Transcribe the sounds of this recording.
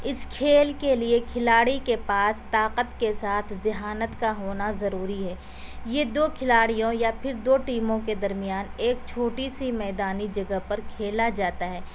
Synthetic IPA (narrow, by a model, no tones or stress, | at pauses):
ɪskʰeːlkeliekʰɪlaːɽikepaːst̪aːqət̪kesaːt̪ʰzɪɦaːnət̪kaɦoːnazɐɾuːɾiɦɛː | jed̪oːkʰɪlaːɽijõjapʰɪɾd̪oːʈiːmõked̪ɐɾmɪjaːneːk̚t͡ʃʰoːʈisimɛːd̪aːnid͡ʒɐɡəɦpɐɾkʰeːlad͡ʒaːt̪aɦɛː